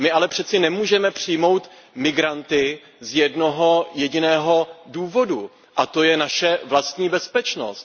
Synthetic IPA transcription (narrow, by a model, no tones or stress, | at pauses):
mɪalɛpr̝̥ɛt͡sɪnɛmuːʒɛmɛpr̝̥ɪjmo̞wt̪ | mɪɡɾant̪ɪ | zjɛdno̞ɦo̞jɛɟɪnɛːɦo̞duːvo̞du | ʔat̪o̞jɛnaʃɛvlast̪ɲiːbɛspɛt͡ʃno̞̰st̪̚